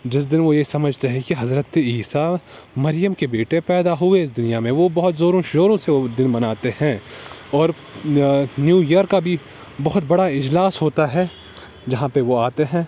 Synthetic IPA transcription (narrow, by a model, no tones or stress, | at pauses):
d͡ʒɪs̬d̪ɪnʋojeisɐməd͡ʒʱt̪eɦɛ̃kiɦɐzɾət̪iːsa | mɐɾɪjəmkebeːʈepɛːd̪aɦʊeɪs̬d̪ʊnijamẽʋobɐɦʊt̪zoːɾõʃoːɾõseod̪ɪnmɐnaːt̪ehɛ̃ɔːɾ | njuːjəɾkːabʱi | bɐɦʊt̪̚bɐɽaɪd͡ʒlaːsɦoːt̪aɦɛː | d͡ʒɐɦãpeʋoaːt̪eɦɛ̃ː